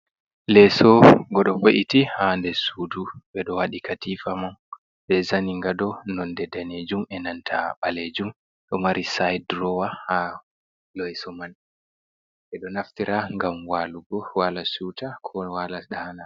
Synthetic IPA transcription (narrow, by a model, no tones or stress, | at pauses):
lɛsɔɡɔɗɔvoʔitihandɛsuduɓɛɗɔwaɗikatifaman | ɓɛzaniŋɡadɔnɔndɛdaned͡ʒumɛnantʰaɓaled͡ʒum | ɗɔmaɾʔisajdɾɔwaha | lɔjsɔman | ɓɛɗɔnaftiɾaŋɡamwaluɡɔwalasutakʰɔwalaɗahana